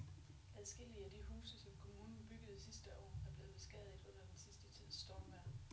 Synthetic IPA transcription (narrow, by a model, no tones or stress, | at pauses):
ʔæðˠsɡ̥e̝l̰iəæd̥ihṵːsəsɒ̽mkʰo̝muːnn̩b̥yɡ̥əð̩ˠsisd̥əʔɒ̰ːæɐb̥le̝ːð̩̥ˠe̝sɡ̥ɛ̰ð̞ˠid̥ɔ̽n̰ɐd̥ensisd̥ət͡sʰið̰ˠsd̥ɒʊʋæɐ